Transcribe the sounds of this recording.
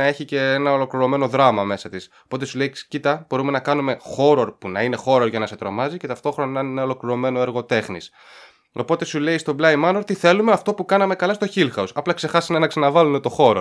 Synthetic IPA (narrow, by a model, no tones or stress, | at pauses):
ɐe̞çice̞enɐo̞lo̞kliɾo̞me̞no̞ðɾɐmɐme̞sɐt̪iso̞po̞t̪e̞sule̞icit̪ɐb̥o̞ɾume̞nɐkɐnume̞xo̞ɾo̞ɾpunɐine̞xo̞ɾoɾʝɐnɐse̞t̪ɾo̞mɐzice̞t̪ɐft̪o̞xɾo̞nɐnɐnenɐo̞lo̞kliɾo̞me̞no̞e̞ɾɣo̞t̪e̞xnis | o̞po̞t̪e̞sule̞ist̪o̞blɐjimɐnoɾt̪iθe̞lume̞ɐft̪o̞pukɐnɐme̞kɐlɐst̪o̞çilxɐusɐplɐkse̞xɐsinɐnɐksɐnɐvɐlune̞t̪o̞xo̞ɾo